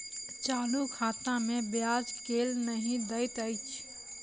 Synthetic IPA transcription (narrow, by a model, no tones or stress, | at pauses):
t͡ʃaːlukʰaːt̪ãmẽbjaːd͡ʒkeːlnəɦĩd̪əɪt̪əɪt͡ʃʰ